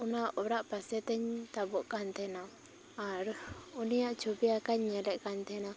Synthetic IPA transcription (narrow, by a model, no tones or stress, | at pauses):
unaʔɔɾaʔpasɛt̪ɛɲt̪abɔʔkant̪ʰɛnaː | ɾunijaʔt͡ʃʰubiakaɲːɛlɛʔkant̪ʰɛna